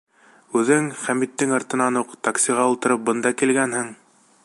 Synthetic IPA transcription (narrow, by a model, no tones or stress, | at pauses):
ʉðɘŋχæmit̪ːɘŋɑɾt̪ɤ̆nɑnuqt̪aksʲiʁɑulˠt̪ɤ̆ɾɤp̚bɤnd̪ɑkilɡænhɘŋ